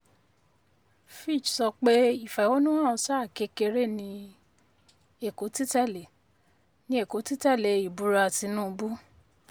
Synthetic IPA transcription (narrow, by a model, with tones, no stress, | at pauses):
fi˦˨d͡ʒsɔ˧k͡pe˦i˦˨fɛ˨wo˦nũ˦wã˦˨ɔ˧sa˦˨ke˧˦ke˧ɾe˦nĩ˧ | e˨ko˨˦ti˦tɛ˦˨le˨ | nĩ˧˦e˦˨ko˨˦ti˦tɛ˦˨le˨i˨bu˨˦ɾa˧a˨ti˨˧˦nũ˦˧bu˦